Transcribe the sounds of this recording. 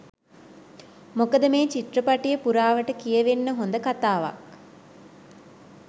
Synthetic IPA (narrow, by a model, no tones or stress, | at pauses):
mokəd̪əmeːt͡ʃiʈrəpaʈijəpuɾaːʋəʈəkijəʋenːəɦond̪əkat̪aːʋa̰k